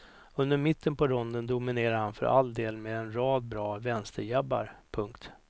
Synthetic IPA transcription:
ɵnd̪əɾmɪt̪ʰːənpɔɾɔnd̪ənd̪ʊmɪneːɾahanfœ̰ɾʔa̰ld̪eːlmeːd̪ɛnɾɑːd̪̚bɾɑːvɛnst̪əɾjabːa̰ɾpʰɵŋkt̪

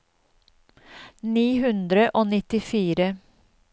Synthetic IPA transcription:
niːhʉnd̪ɾəʔoːnɪt̪ɪfiːɾə

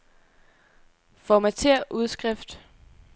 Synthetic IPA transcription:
fɒmæt͡sʰe̝ɐ̰ʔuð̞ˠsɡ̥ʁɛfd̥

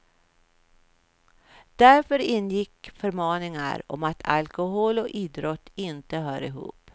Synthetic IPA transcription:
d̪̥æɾfœɾɪnːjɪkːfœɾmɑːnɪŋa̰ɾɔ̰mat̪ʰa̰lkʊhoːlɔʔiːd̪ɾɔt̪ːɪnt̪əɦœːɾɪɦṵːp

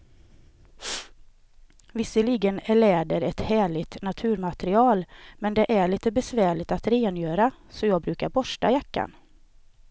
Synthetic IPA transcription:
vɪsːəliːɡənæɭɛːɖ̪əɾɛt̪hæːɭɪt̪nat̪ʰʉ̟ːɾmat̪ɾɪɑːlmɛnd̪ɛʔæɭiːt̪əbɛsvæːɭɪt̪at̪ɾeːnjøːɾa | sɔjɑːɡ̚bɾʉ̟ːkaɾbɔʂʈa̰jakːa̰n

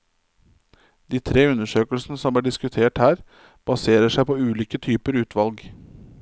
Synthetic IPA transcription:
d̪̥iːt̪ʰɾeːʉnəʂøːkəlsn̩əsɔmb̪æːɖɪskʉt̪ʰeːʈhæːɾ | b̥ɑseːɾəʂæɪpoːʉːliːkət̪ʰyːpəɾʉːt̪ʰʋɑlɡ

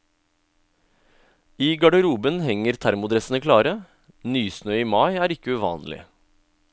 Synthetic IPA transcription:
iːɡɑɖəɾuːbənhɛŋəɾt̪ʰæɾmʊd̪ɾɛsnəkʰlɑːɾə | nyːsnœʏiːmɑɪæːɾɪkəʉʋɑ̰ːnlɪ̰

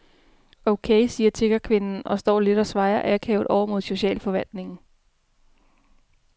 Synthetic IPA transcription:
oʊkʰesiːɐt͡sʰe̝ɡ̥ɐkʰʋe̝nn̩ɒ̽sd̥ɒ̰ːle̝d̥ɒ̽sʋɑ̈ɪɐʔæɐkʰɛ̰ːʊðˠɒʊɐmo̝ðˠɕo̝ɕɛ̰ːlfɒ̽ʋæl̰d̥ne̝ŋn̩

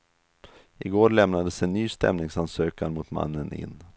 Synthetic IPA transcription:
ʔɪɡoːɾɭɛmnad̪əsɛnːyːst̪ɛ̰mnɪŋsansøːkaɾmʊt̪ma̰nːənʔɪ̰nː

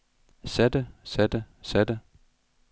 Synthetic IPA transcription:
sæd̥əsæd̥əsæd̥ə

